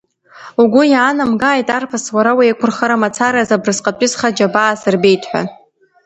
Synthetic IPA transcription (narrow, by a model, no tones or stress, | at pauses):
uɡʷʊjaːnamɡaːjtʼarpʰaswaɾawaekʷʰʊrχaɾamat͡sʰaɾazabrɨsqʼapʼɪzχad͡ʒabaːsɨrbe̞jtʰʼħʷa̰